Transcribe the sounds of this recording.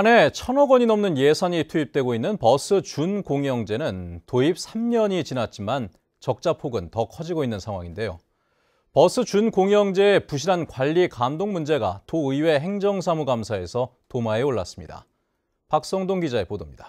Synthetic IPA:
ane̞t͡ɕʰʌnʌɡʌɲinʌmnɯnje̞sʰaɲitʰuip̚t͈we̞ɡoinːɯnpʌs͈ʰɯt͡ɕunkoŋjʌŋd͡ʑe̞nɯntoip̚sʰamɲʌɲit͡ɕinat̚t͡ɕ͈iman | t͡ɕʌk̚t͡ɕ͈apʰoɡɯntʌkʰʌd͡ʑiɡoinːɯnsʰaŋɦwaŋinde̞jo̰ | pʌsʰɯt͡ɕunkoŋjʌŋd͡ʑe̞ːpuɕ̬ʰiɾankwaʎːikamdoŋmund͡ʑe̞ɡa̰toɯiwe̞ɦe̞ŋd͡ʑʌŋsʰamuɡamsʰae̞sʰʌ | tomaɦe̞oɭːa̰s͈ɯ̥mɲida̰ | pak̚s͈ʌŋdoŋɡid͡ʑae̞podomɲid̥ḁ

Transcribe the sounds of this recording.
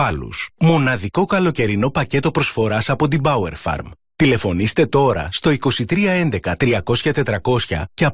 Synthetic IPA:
ɐlṵsmo̞nɐðiko̞kɐlo̞ce̞ɾino̞pɐce̞t̪o̞pɾo̞sfo̞ɾɐsɐpo̞t̪̬ibɐueɾfɐ̰ɾm | t̪ile̞fo̞nist̪e̞t̪o̞ɾɐ̰st̪o̞iko̞sit̪ɾiɐe̞nd̪e̞kɐt̪ɾiɐko̞sçɐt̪e̞t̪ɾɐko̞sçɐ̰ceɐ

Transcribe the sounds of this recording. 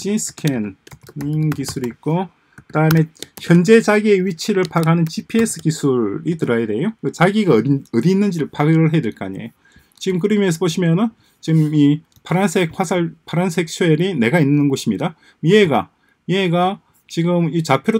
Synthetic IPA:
t͡ɕinsʰɯ̥kʰeniŋkisʰuɾiːk̚k͈o | kɯdaɯme̞çjʌnd͡ʑe̞t͡ɕaɡieɥit͡ɕʰiɾɯɭpaɡanɯnt͡ɕipʰie̞s͈ʰɯ̥kisʰuɾitɯɾajede̞joet͡ɕaɡiɡaʌdiːnːɯnd͡ʑiɾɯɭpaɡɯɾɯɭɦedweɭk͈a̰ɲḛjo | t͡ɕiɡɯmkɯɾimjʌns̬ʰʌboɕʰimjʌnɯn | t͡ɕiɡɯmi | pʰaɾansʰek̚hwasʰaɭpʰaɾansʰɯɦek̚t͡ɕʰoeɾine̞ɡainːɯnɡoɕʰimɲida | meɡa̰ | ieɡa | t͡ɕiɡɯmit͡ɕapʰjoɾo

